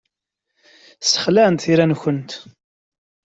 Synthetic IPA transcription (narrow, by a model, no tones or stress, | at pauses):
sə̥χlænt̪θiɾænçənt̪